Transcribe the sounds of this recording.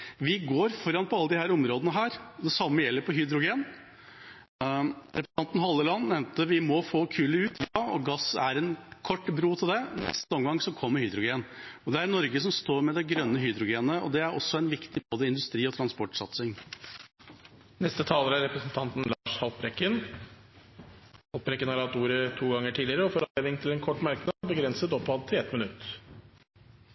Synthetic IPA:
ʋɪɡoːɾfɔɾɑnpʰɔɑlːəd̪ɪhæːɾɔmɾoːd̪ənəɦæːɾd̪ɛsɑmːəjɛlːəɾpʰɔɦʏd̪ɾʊɡeːn | ɾɛpɾəɑnt̪n̩ɦɑlːəlɑnːnɛʋnt̪əʋɪmɔfoːkʰʉːləʉːt̪ʰjɑɔ̰ɡɑsæɾɛnkʰɔʈːbɾuːt̪ʰɪld̪ɛnɛ̰st̪əɔmɡɑŋsɔkʰɔmːəɾhʏːd̪ɾʊɡeːnɔd̪ɛæɾnɔɾɡəsɔmst̪oːɾmɛd̪ɛɡɾœnːəɦʏːd̪ɾʊɡeːnəɔ̰d̪ɛæɾɔ̰sːɔɛnʋɪkt̪ɪboːd̪əɪnd̪ʉst̪ɾiːɔt̪ʰɾɑnspɔʈːsɑt̪sɪŋ | nɛst̪ət̪ʰɑːləɾæɾɛpɾəsnt̪ʰɑnt̪n̩lɑːʂhɑlpɾɛkːən | hɑlpɾɛkːənhɑɾɑt̪ːuːɾət̪ʰuːɡɑŋːəʈʰiːd̪lɪəɾəɔfɔɾɑeːnɪŋt̪ʰɪlɛnkʰɔʈːmɑɾknɑd̪bəɡɾɛnsət̪ɔpːɑd̪̚t̪ʰɪɛt̪mənʉt̪ː

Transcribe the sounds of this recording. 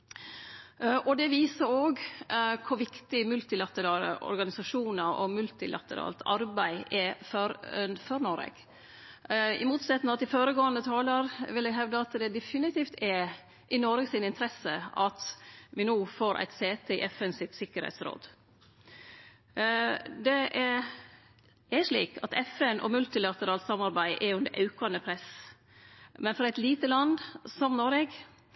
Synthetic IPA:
ʔɔd̪ɛʋiːsəɾoːɡkʰʊɾʋɪkt̪ɪmʉlt̪ɪlɑt̪əɾɑːlə̰ʔɔ̰ɾɡɑnɪsɑʂuːnəɾɔmʉlt̪ɪlʔɑ̰t̪əɾɑ̰ːlt̪ʰɑ̰ɾbæɪʔɛfɔɾfœɾnɔɾɛ̰ɡ̥ | ɪ̰muːt̪sɛt̪nəɑt̪d̪ɪfoːɾəɡoːənd̪ət̪ʰɑːləɾʋɪld̪ɛɡɦɛʋd̪əɑt̪d̪ɛd̪ɛfɪnɪt̪iːft̪ʰɛ | ʔɪnɔɾɡəsɪnɪnt̪ʰɾɛsəʔɑt̪ʋɪnoːfoːɾʔæ̰ɪt̪seːt̪ʰɛɪ̰ʔɛfɛnsɪt̪sɪkːəɾhɛ̰ɪt̪sɾo̰ːd̪ | d̪ɛʔæɾ | æɾʂɭḭːkʰɑt̪ɛfɛnʔɔ̰mʉlt̪ɪlɑt̪əɾɑːlt̪sɑmɑɾbæɪʔɛɾjʉnd̪ɛʔɑʉkɑnəpʰɾɛs | mɛnfɾɑæɪt̪liːt̪əlɑnd̪sɔmnoɾɛɡ

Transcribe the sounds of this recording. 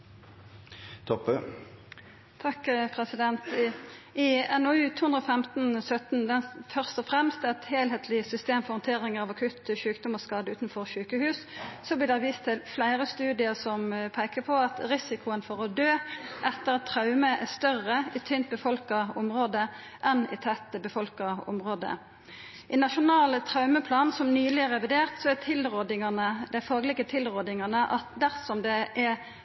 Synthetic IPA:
t̪ʰɔpə | t̪ʰɑkpʰʁɛsɪd̪ɛnt̪ | ɪɛnɔʉːt̪ʰuːhʉnd̪ɾoːfɛmt̪nsœt̪nd̪ɛnfœʁst̪ɔfʁɛmst̪ɛt̪heːlɦeːt̪ʰlɪsʏst̪eːmfɔʁhɔnt̪ʰeːʁɪŋəʁɑːʋɑkʰʉt̪ːʃʉːkd̪ʊmɔskɑːd̪əʉːt̪nfɔʁʃʉːkəhʉːssɔblɪd̪æʋiːst̪ʰːɪlflæɪɾəst̪ʉːd̪ɪəsɔmpʰæɪkəpʰɔɑt̪ɾɪsɪkʰʊənfɔɾɔd̪øːʔɛt̪ːəɾɑt̪ʰːɾɑʉməʔɛʁst̪œrəit̪ʰœnt̪̚bəfɔlkɑɔmɾoːd̪ə | ʔɛnɪ̰t̪ʰɛt̪ːəbəfɔlkɑɔ̰mʁoːd̪ə̰ | ʔɪnɑʃʊnɑːlt̪ʰɾɑʉməpʰlɑːnsɔmnyːlɪɛɾɛʋɪd̪eːʁt̪sɔæt̪ʰɪlʁod̪ɪŋənəd̪æɪfɑːɡəlɪɡət̪ʰɪlɾoːd̪ɪŋɑnəʔɑt̪d̪æɾfsɔmd̪ɛʔɛ

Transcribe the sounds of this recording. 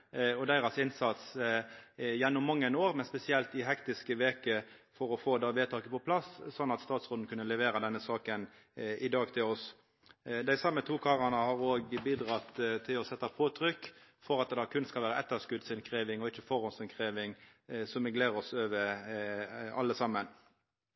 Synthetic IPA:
ɔd̪æɪɾɑsɪnsɑt̪s | jɛnːʊmːɑŋːənoːʁmɛnspɛsɪɛlt̪ɪɦɛkt̪ɪskəʋeːkəfɔɾɔfoːd̪ɑːʋeːt̪ʰɑːkəpɔpʰlɑssɔnːɑt̪st̪ɑːt̪sʁʊːd̪n̩kʉnːəlɛʋeːɾɑd̪ɛnːəsɑːkən | ʔɪd̪ɑːɡt̪ʰɪlɔs | d̪æɪsɑmːət̪ʰuːkʰɑːʁɑnəhɑʁoːɡbiːd̪ʁɑt̪t̪ʰːɪlɔsɛt̪ːɑpʰoːt̪ʰɾʏkːfɔʁɑt̪̚d̪ɛɑkʰʉnːskɑlʋæːɾəɛt̪ːəskʉd̪sɪnkʰɾeːʋɪŋɔɪçːəfɔʁɔnsɪnkʰʁeːʋɪŋsɔmɪɡleːɾɔsøːʋə | ɑ̰lːəsɑmːən

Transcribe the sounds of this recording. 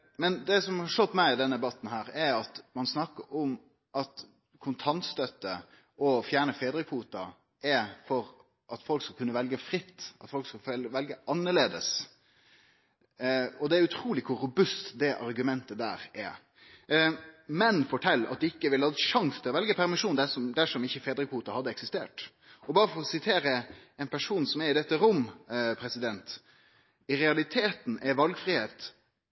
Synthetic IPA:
mɛnd̪ɛsɔmhɑɾʂɔt̪ːmæɪɪd̪ɛnəɛbɑt̪ːn̩ɦæːɾɛɑt̪mɑnsnɑkːəɾɔm | ʔɑt̪ | kʰʊnt̪ʰɑnt̪st̪œt̪ːə | ɔfjæːɳəfeːd̪ɾəfuːt̪ɑ | ʔɛfɔɾ | ʔɑt̪fɔlkskɑlkʰʉnːəʋɛlɡəfɾɪt̪ːɑt̪fɔlkskɑlʋɛlɡəʔɑnːəɾɭleːd̪əs | ɔd̪ɛæɾʉt̪ʰɾuːlɪkʰʊɾʊbʉst̪d̪ɛʔɑɾɡʉmɛnt̪əd̪æ̰ːɾɛ̰ | mɛnfɔʈʰɛlːɑ̰t̪̚d̪ɪkːəʋɪlhɑd̪ʂɑŋst̪ʰɪlɔʋɛlɡəpʰæɾmɪʂuːnd̪æsɔmd̪æʂɔmɪçːəfeːd̪ɾəkhuːt̪ɑhɑd̪ːəɛksɪst̪eːʈ | ɔbɑːɾəfɔɾɔsɪt̪ʰeːɾəɛnpʰæʂuːnsɔmæɾɪd̪ɛt̪ːəɾʊmpʰɾɛsɪd̪ɛnt̪ | ɪɾɛɑlɪt̪ʰeːt̪n̩ɛʋɑlɡfɾiːheːt̪

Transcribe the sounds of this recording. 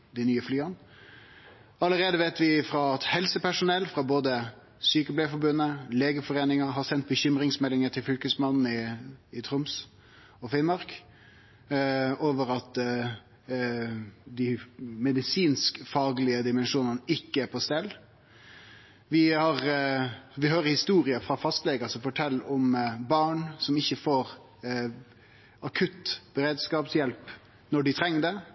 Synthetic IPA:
d̪ɪnyːəflyːɑn | ɑləɾeːd̪əʋeːt̪ʋɪfɾɑɑt̪hɛlsəpʰæʂʊnɛlːfɾɑboːd̪ə | syːkəblæːfɔɾbʉnːəleːɡəfɔʁeːnɪŋəɦɑɾsɛnt̪̚bəçʏmɾɪŋsmɛlːɪŋəʈ̪ʰɪlfʏlkəsmɑnn̩ɪːt̪ʰɾʊms | ɔfɪnmɑɾk | oːʋəɾɑt̪ | d̪ɪmɛd̪ɪsiːnskfɑːɡlɪəd̪ɪmɛnʂuːnənəʔɪkːəæpʰɔst̪ɛlː | ʋɪhɑɾ | ʋɪɦøːɾəhɪst̪uːɾɪəfɾɑfɑst̪lɛɡəsɔfɔʈʰɛlːɔmbɑːɳsɔmɪçːəfoːɾ | ɑkʰʉt̪ːb̥əɾeːd̪skɑːpsjɛlp | nɔɖɪt̪ʰɾɛŋːd̪ɛ

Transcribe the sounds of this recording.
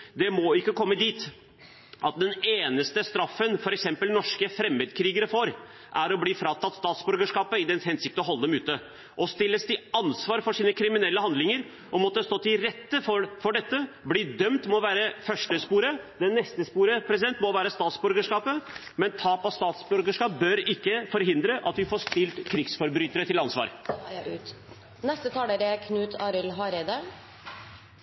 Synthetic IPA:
d̪ɛmɔɪkːəkʰɔmːəd̪iːt̪ | ʔɑt̪̚d̪ɛneːnəst̪əst̪ɾɑfːənfɔɾɛksɛmpəlnɔʂkəfɾɛmːeːd̪kʰɾiːɡəɾəfoɾ | ʔæɾɔbliːfɾɑːt̪ʰɑt̪ːst̪ɑːt̪sbʉɾɡəʂkɑːpəɪd̪ɛnshɛnsɪk̚t̪əɔɦɔlːəd̪ɛmʉːt̪ə | ʔɔst̪ɪlːəsd̪ɪɑnsʋɑːɾfɔʂiːnəkʰɾɪmɪnɛlːəhɑnd̪lɪŋəɾ | ʔɔmɔt̪ːəst̪oːt̪ʰɪlɾɛt̪ːəfɔfɔɖɛt̪ːəbliːd̪œmt̪mɔʋæːɾəfœʂʈəspuːɾəd̪ɛnːɛst̪əspuːɾəpʰɾɛsɪd̪ɛnt̪mɔʋæːɾəst̪ɑːt̪sbœɾɡəʂkɑːpə | mɛnt̪ʰɑːpɔst̪ɑːt̪sbœɾɡəʂkɑːp̚bœɾɪkːəfɔɾɦɪnd̪ɾəʔɑt̪dʉfoːʂt̪ɪlt̪kʰɾɪɡsfɔɾbɾyːt̪əɾət̪ʰɪlɑnsʋɑ̰ːɾt̪ | nɛst̪ət̪ʰɑːləɾɛkʰnʉːt̪ʰɑːɾəlɦɑːɾɛd̪ə

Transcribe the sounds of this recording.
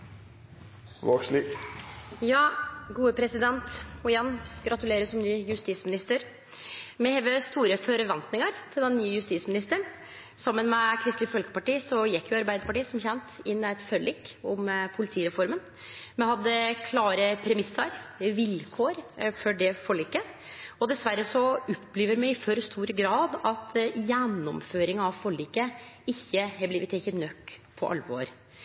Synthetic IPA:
ʋɑ̰ːkʂliːk | jɑːɡuːəpʰɾɛsɪd̪ɛnt̪ɔjɛnːɡɾɑt̪ʉleːɾəsɔmnyːjʉst̪iːsmɪnɪst̪əɾ | mɛheːʋəst̪uːɾəfœɾʋɛnt̪nɪŋəɾt̪ʰɪld̪ɛnːyːəjʉst̪iːsmɪnɪst̪əɳ | sɑmːənmɛkʰɾɪst̪ɪəfɔlkə̥pɑʈiːsɔjɛkːjʊɑɾbæɪd̪əpɑʈiːsɔmçɛnt̪ɪnːæɪt̪fœlɪkɔmpʰʊlɪt̪ʰiːɾɛfɔɾmən | mɛhɑd̪ːəkʰlɑːɾəpʰɾɛmɪsːəɾʋɪlkʰoːɾfɔɖɛfɔɭiːkə | ɔd̪ɛsʋæɾːəsɔɔpːliːʋəɾmɛɪfœɾst̪uːɾəɡɾɑːd̪ɑt̪jɛnːɔmføːɾɪŋɑʋfɔɭiːkəɪçːəhɛbliːʋət̪ɛçət̪nœkːpʰːɔ̰ʔɑ̰lʋo̰ːɾ

